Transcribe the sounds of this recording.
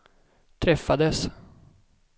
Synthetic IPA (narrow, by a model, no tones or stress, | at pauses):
t̪ʰɾɛfːad̪əs